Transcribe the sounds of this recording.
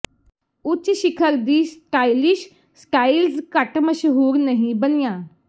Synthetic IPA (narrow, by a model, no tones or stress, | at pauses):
ʊt͡ʃːʃɪkʰəɾd̪iːsʈaːilɪʃ | sʈaːilskəʈməʃɦuːɾnəɦĩbənɪjãː